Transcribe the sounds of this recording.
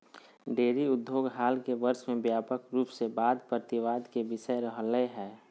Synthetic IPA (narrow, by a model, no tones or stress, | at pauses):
ɖeːɾiʊd̪ʱjoːɡɦaːlkeʋəɾʃmẽbjaːpəkɾuːpsebaːd̪pɾət̪ɪʋaːd̪kebɪʃəɾəɦleɦɛː